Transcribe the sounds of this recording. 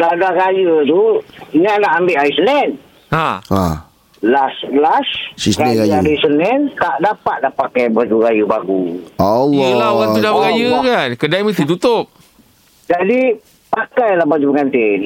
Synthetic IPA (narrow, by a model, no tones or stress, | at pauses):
ladahɾajət̪uɲaʔnaʔambeʔaisəlɛnd | haa | laslassisɾanəajaisənɛnt̪aʔdapat̪̚lahpakajbəad͡ʒuɾajubaɡuowlaoɣaŋt̪udahbəɣajəkankədaməst̪it̪ut̪ʊp̚ | d͡ʒadi | pakajlahbad͡ʒupəŋant̪ɪ